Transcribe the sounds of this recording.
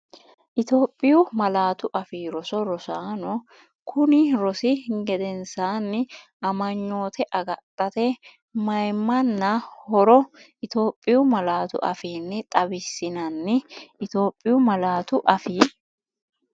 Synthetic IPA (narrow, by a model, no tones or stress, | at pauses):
ʔɪt̪o̞ːpʼːɪjʊmɐlaːt̪ʊʔɐfiːɾɔsɔɾɔsaːnɔ | kʰʊnɪɾɔsɪɡɛd̪ɛnsaːnːɪ | ʔɐmɐɲːo̞ːt̪ʰɛʔɐɡɐt̪ʼːɐt̪ɛ | mɐjmːɐnːɐhɔɾɔʔɪt̪o̞ːpʼːɪjʊmɐlaːt̪ʊ̰ʔɐ̰fiːnːɛt̪ʼɐbɪsːɪnɐnːɪɪt̪o̞ːpʼːɪjʊmɐlaːt̪ʊʔɐfiː